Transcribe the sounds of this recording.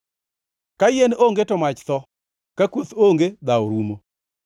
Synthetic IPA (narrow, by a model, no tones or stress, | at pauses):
kajenoŋɡetɔmat͡ʃt̪ɔ | kakwot̪oŋɡed̪aoɾumo